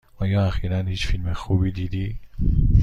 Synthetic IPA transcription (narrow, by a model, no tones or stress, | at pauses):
ʔɒːjɒːæxiːɾænhiːt͡ʃfilmexuːbiːd̪iːd̪i